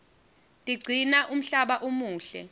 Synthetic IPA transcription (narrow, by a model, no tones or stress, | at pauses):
tʼiɡ͡ǀʱinaʔum̩ɬaɓaʔomuːɬɛ̰